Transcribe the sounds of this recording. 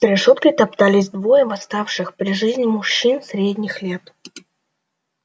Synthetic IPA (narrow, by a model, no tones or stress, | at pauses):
sɾʲɪʂot̪kəjt̪ɐpt̪alʲɪzʲd̪vojəvɐst̪afʂɨxpɾʲɪʐɨzʲnʲɪmʊɕːinsʲɾʲedʲnʲɪxlʲe̞t̪